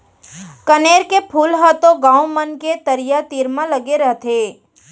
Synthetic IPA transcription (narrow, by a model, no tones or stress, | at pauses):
kəneɾkepʰulɦət̪oɡãumənket̪əɾjat̪iɾmãləɡeɾəɦt̪ʰe